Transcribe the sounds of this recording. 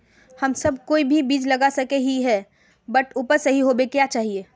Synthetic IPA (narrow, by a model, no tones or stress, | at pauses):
hɐmsɐb̚koːibʱibiːd͡ʒlɐɡasɐkeɦiɦɛ | bəʈuːpəɾsɐɦiɦobekjat͡ʃaːɦieː